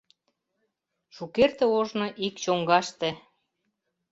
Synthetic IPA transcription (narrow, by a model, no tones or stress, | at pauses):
ʃukert̪ĕoʒnoʔikt͡ɕoŋɡɑʃt̪ĕ